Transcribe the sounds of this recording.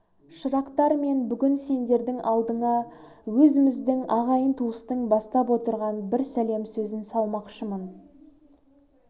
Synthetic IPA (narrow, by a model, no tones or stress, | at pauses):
ʃəɾɑqt̪ɑɾme̞nbʏɡʲɪnse̞nd̪e̞ɾd̪ɪŋʔɑlˠd̪əɴɑ | wɵzɪmɪzd̪ɪŋɑʁɑjənt̪ʰuəst̪əɴbɑst̪ɑp̬wo̞t̪əɾʁɑnbɪɾsæle̞msɵzɪnsɑlˠmɑqʃəmən